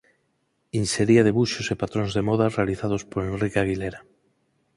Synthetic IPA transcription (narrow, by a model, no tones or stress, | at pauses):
inseɾiaðeβuʃosepat̪ɾõnzðemɔðarealiθað̞ospoɾẽnrikaɣileɾa